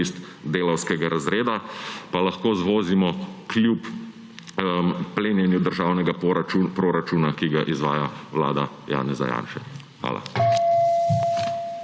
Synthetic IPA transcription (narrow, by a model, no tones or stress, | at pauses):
ist̪ | d̪eːlɐwskɛɡaɾazɾeːd̪apalɐxkoːzʋoːzimɔklʲjup | pleːnjɛnjud̪əɾʒaːwnɛɡaupɾoːɾat͡ʃunakiɡaʔizʋa̰ːjawla̰ːd̪a | ja̰ːnɛza̰ja̰ːnʃɛ | xʋa̰ːla̰